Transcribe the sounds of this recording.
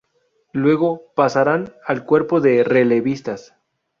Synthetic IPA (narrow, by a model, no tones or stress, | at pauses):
lwe̞ɣo̞pasaɾanalkwe̞ɾpo̞ðe̞re̞le̞βist̪as